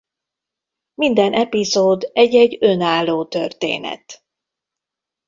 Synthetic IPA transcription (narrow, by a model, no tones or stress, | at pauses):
mind̪ɛnʔɛpizoːd̪ɛɟːɛɟø̞naːlːoːt̪ørt̪ḛːnɛ̰t̪